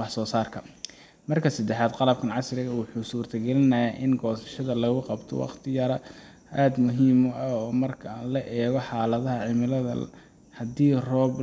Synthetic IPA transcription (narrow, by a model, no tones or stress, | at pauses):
wɑħsɔːsaːrkʰɐ | mɐrkʰɐsɐd̪ɛħaːd̪qɑlɐb̚kʰɐnʕɑsrɪɣɐwʊħuːsuːrt̪ʰɐɡɛlɪnɐjaʔɪŋɡɔːsɐ̥ʃɐðɐlɐɣʊqɑbt̪ʰɔ̰wɑ̰qt̪ʰɪjɐɾɐ | aːd̪mʊɦiːmʔɐɔːmɐrkʰɐlɐʔɛːɣɔħɑːlɐðɐɦɐʕɪmɪlɐðɐ̰ | hɐd̪iːrɔːb